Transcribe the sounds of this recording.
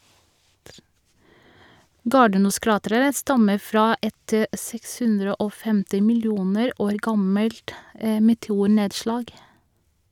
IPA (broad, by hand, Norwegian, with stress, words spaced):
ˈɡɑːɖəˌnuːˌskɹɑːtɾəɹə ˈstɑmə ˈfɾɑː ˈʔɛt ə ˈsɛks ˈhʉnɾə ˈʔoː ˈfɛmtɪ mɪlˈjuːnəɾ ˈoːɾ ˈɡɑməlt ə mɛtɛˈuːˌɳeːdˌʃlɑːɡ